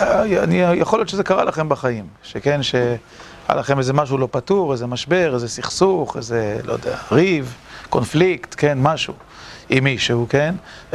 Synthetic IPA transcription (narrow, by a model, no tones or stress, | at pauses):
a̰nijaχoljoʃezekaʁa̰laχe̞mbaχajimʃekenʃe | a̰laχemezemaʃ̬ulo̞patuʁezemaʃbe̞ʁezesiχsuχḛzelojd̪eaʁiv | ko̞nflikt̪ke̞nmaʃṵ | imiʃehuken